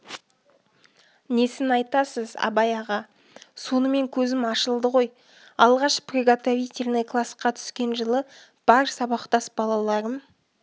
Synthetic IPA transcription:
ne̞sɪnɑjt̪ɑsəzɑ̰bɑjɑʁɑ | so̞nəme̞ŋkʲʰɵzɪmɑʃəlˠd̪əʁo̞j | ɑlˠʁɑʃprʲeɡat̪avʲijt̪ʲeɾnejkʰlˠɑsqɑt̪ʰʏ̥skʲe̞nʒəlˠə | b̥ɑɾsɑbɑqt̪ɑsbɑlˠɑlˠɑɾəm

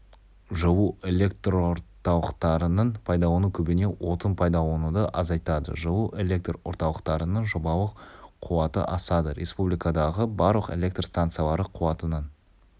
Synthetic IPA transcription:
ʒəwue̞lʲe̞k̚t̪roɾt̪ɑlˠəqt̪ɑɾənəɴpʰɑjd̪ɑwonukʲʰɵbɪne̞wʔo̞t̪ənpʰɑjd̪ɑwo̞nud̪əʔɑzɑjt̪ɑd̪ə̰ʒəwuʔe̞lʲe̞k̚t̪ro̞̰ɾt̪ɑlˠəqt̪ɑɾənəɴʒobɑlˠəqqʰːuwɑt̪ə̰ʔɑsɑd̪əɾʲʔe̞spublijkad̪ɑʁəbɑɾlˠəqe̞̰lʲe̞k̚t̪rst̪ant̪sɨijalˠɑɾəqʰuwɑt̪ənən

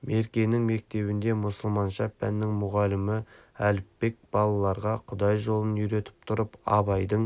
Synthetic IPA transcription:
me̞ɾkʲe̞nɪŋme̞k̚t̪e̞βɪnd̪e̞mʊsəlˠmɑnʃɑpːænːɪŋmʊʁɑlɪmɪ | ælɪpːe̞k̚b̥ɑlˠɑlˠɑɾʁɑqʰʊd̪ɑjʒo̞lˠənʏɾe̞t̪ɪ̥p̚t̪ʰʊɾəpɑ̰bɑjd̪əɴ

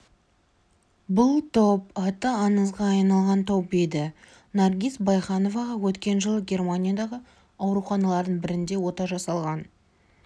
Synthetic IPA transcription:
bʊlˠt̪ʰopɑt̪əɑnəzʁɑːjnɑlˠʁɑnt̪ʰopbed̪ɪ | narɡʲisbɑjχɑno̞vɑʁɑwɵt̪kʲe̞nʒəlˠəɡʲe̞rmanʲijad̪ɑʁə | ɑwɾuχɑnɑlˠɑɾd̪əɴbɪɾɪnd̪e̞wo̞t̪ɑʒɑsɑlˠʁɑn

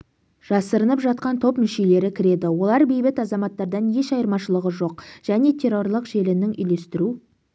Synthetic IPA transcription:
ʒ̥ɑsəɾənəpʒɑt̪̚qɑnt̪ʰo̞pmɪʃele̞ɾɪkʲʰɪɾe̞d̪ɪwo̞lˠɑɾbejbɪt̪ɑzɑmɑt̪ːɑɾd̪ɑnje̞ʃɑjəɾmɑʃəlˠəʁəʒo̞qʒ̥æne̞t̪ʲʰe̞rːo̞rlˠəqʒe̞lɪnɪŋʔʏ̰jle̞st̪ɪɾu

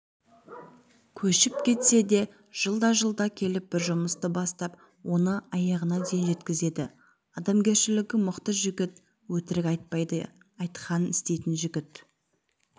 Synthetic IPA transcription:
kʲʰɵʃɪp̚kʲʰe̞t̪se̞d̪e̞ | ʒ̥əlˠd̪ɑʒəlˠd̪ɑkʲʰe̞lɪp̚bɪɾʒʊməst̪əbɑst̪ɑp̚ | wʔo̞nəɑjɑʁənɑd̪ejnʒe̞t̪kʲɪze̞d̪ɪ | ɑd̪ɑmɡʲe̞ɾʃɪlɪɡʲɪmʊqt̪əʒʏɡʲɪt̪ | wɵt̪ɪɾɪk̪ʲ | ɑjt̪qʰɑnənɪst̪e̞jt̪ɪnʒʏɡʲɪt̪

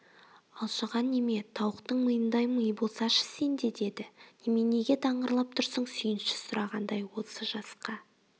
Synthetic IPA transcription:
ɑlˠʃəʁɑnːeme̞t̪ʰɑwəqt̪əɴməjənd̪ɑjməjbolˠsɑʃə̥se̞nd̪e̞d̪e̞d̪ɪne̞me̞ne̞ɡʲe̞t̪ʰɑɴəɾlˠɑp̚t̪ʰʊɾsəɴsʏjɪnʃɪ̥sʊɾɑʁɑnd̪ɑjwo̞səʒɑsqɑ

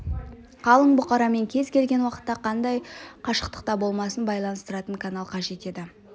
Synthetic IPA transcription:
qʰɑlˠəɴbʊqɑɾɑme̞ŋkʲʰe̞zkʲʰe̞lɡʲe̞nwɑqə̥t̪ːɑqʰɑnd̪ɑjqʰɑʃə̥qt̪ə̥q̚t̪ɑbo̞lˠmɑsənbɑjlˠɑnəst̪əɾɑt̪əŋkʰanalˠqʰɑʒe̞t̪e̞d̪ɪ

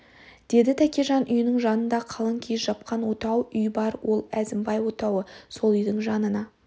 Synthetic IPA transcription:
d̪̥e̞d̪ɪt̪ʰækʲe̞ʒɑnʔʏjɪnɪŋʒɑnənd̪ɑqʰɑlˠəŋkʲʰezʒɑp̚qɑnwo̞t̪ɑwʏjbɑɾwo̞lˠæzɪmbɑjwo̞t̪ɑwəso̞lˠʏjd̪ɪŋʒɑnənɑ

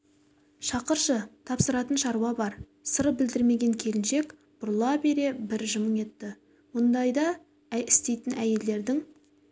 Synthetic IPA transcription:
ʃɑqəɾʃət̪ʰɑpsəɾɑt̪ənʃɑɾuwɑbɑɾ | səɾəp̚bɪld̪ɪɾme̞ɡʲe̞ŋkʲʰe̞lɪnʃe̞k | b̥ʊɾlˠɑbe̞ɾe̞bɪɾʒəməe̞t̪ːɪ | wond̪ɑjd̪ɑ | æɪst̪e̞jt̪ɪnæje̞ld̪e̞ɾd̪ɪŋ

